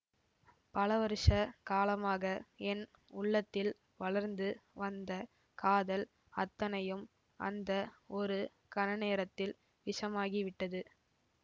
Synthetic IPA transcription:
pɐlɐʋɐɾɯʂɐkaːlɐmaːɣɐɛn | ʊɭːɐt̪ːɪl | ʋɐɭɐɾnd̪ɯʋɐnd̪ɐ | kaːðɐl | ɐt̪ːɐnɐjɯm | ʔɐ̰nd̪ɐɔɾɯ | kɐnɐneːɾɐt̪ːɪl | ʋɪʂɐmaːɣiʋɪʈːɐðɯ

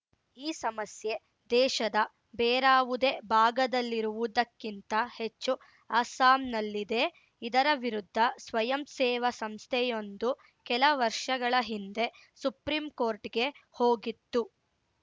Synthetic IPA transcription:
iːsɐmɐsje̞ | d̪ɛːʃɐd̪ɐ | bɛːɾaːʋud̪e̞bʱaːɡɐd̪ɐlːiɾuʋud̪ɐkːint̪ɐhe̞t͡ʃːu | ɐːsaːmnɐlːid̪e̞ | id̪ɐɾɐʋiɾud̪ʱːɐsʋɐjɐmsɛːʋɐsɐmst̪ʰɛjo̞nd̪u | kɛlɐʋɐɾʂɐɡɐɭɐɦind̪e̞ | supɾimko̞ːɾʈɡe̞ho̞ːɡit̪ːu

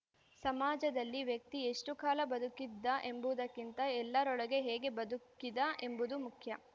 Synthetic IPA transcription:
sɐmaːd͡ʒɐd̪ɐlːiʋjɐk̚t̪ieʂʈukaːlɐbɐd̪ukːid̪ːɐʔe̞mbuʋd̪ɐkːint̪ɐɛlːɐɾɔɭɐɡe̞ɦɛːɡe̞bɐd̪ukːid̪ɐʔe̞mbud̪umukʰjɐ

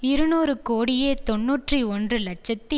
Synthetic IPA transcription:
ɪɾɯnuːɾɯkoːɽɪjeːt̪ɔnːuːʈriɔndrɯlɐʈ̚t͡ʃːɐt̪ːi

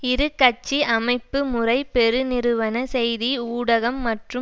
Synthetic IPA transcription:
ɪɾɯkːɐt͡ʃːiɐmɐɪpːɯmʊrɐɪpɛɾɯnɪɾɯʋɐnɐsɛjðiuːɽɐɣɐmːɐʈrɯ

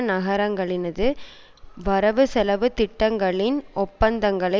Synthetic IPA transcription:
nɐɣɐɾɐŋɡɐɭɪnɐðɯ | ʋɐɾɐʋɯsɛlɐʋɯt̪ɪʈːɐŋɡɐɭɪnʔɔpːɐnd̪ɐŋɡɐɭɐ

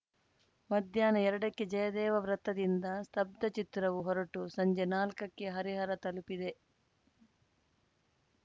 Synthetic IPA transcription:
mɐd̪ʱjaːnɐɛɾɐɽɐkːed͡ʒɐjɐd̪ɛːʋɐʋɾɐt̪ːɐd̪ind̪ɐst̪ʰɐb̚d̪ɐt͡ʃit̪ɾɐʋuɦɔɾɐʈusɐɲd͡ʒenaːlkɐkːe̞ɦɐɾiɦɐɾɐt̪ɐlupid̪e̞

